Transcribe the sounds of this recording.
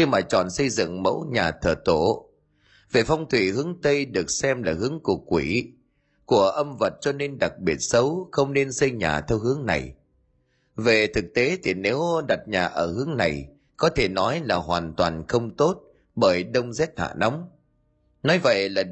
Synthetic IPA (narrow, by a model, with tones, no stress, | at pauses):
xi˧maː˨˩t͡ɕɔ̰˧˩nsə˧jzɨ̰˧˨ŋmə̰˧˥wɲaː˨˩t̪ʰəː˨˩t̪o˧˩˨ | ve˨˩fa˧wŋ͡mt̪ʰwi˧˩hɨ˨˦əŋt̪ə˧jɗɨ˨˩ək̚sɛ˧mlaː˨˩hɨ˨˦əŋku˨˩ək̚ːwi˧˩ | ku˧˩əʔə˧mvə˨˩t̚t͡ɕɔ˧ne˧nɗa˨˩k̚ɓi˨˩ət̚sə˨˦wxə˧wŋ͡mne˧nsə˧jɲa̰ː˨˩t̪ʰɛ˧wɦɨ˨˦əŋna̰˨˩j | ve˨˩t̪ʰɨ˨˩k̚t̪e˨˦t̪ʰi˨˩ne˨˦wɗa˨˩t̚ɲaː˨˩ʔəː˧˩hɨ˨˦əŋna˨˩j | kɔ˨˦t̪ʰe˧˩nɔ˨˦jlaː˨˩ɦwaː˨˩nt̪wa̰ː˨˩nxə˧wŋ͡mt̪o˦˥t̚ | ɓəː˧˩jɗə˧wŋ͡mzɛ˦˥t̚ha̰ː˧˨na˨˦wŋ͡m | nɔ˨˦jvə̰˧˨jlaː˨˩